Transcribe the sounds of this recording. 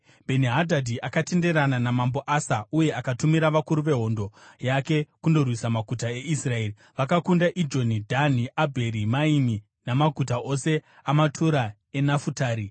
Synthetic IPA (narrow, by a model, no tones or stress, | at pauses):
bʱe̞niɦadʱadʱiʔakate̞nde̞ɾananamambo̞ʔasauje̞akatumiɾaʋakuɾuʋe̞ɦo̞ndo̞jake̞kundo̞rwisamaɡʱutae̞ʔisrae̞ːri | ʋakakundaʔid͡ʒo̞nidʱaniʔabʱe̞ɾimaimi | namaɡʱut̬aʔo̞se̞ | amatʰuɾa | e̞nafutaːɾi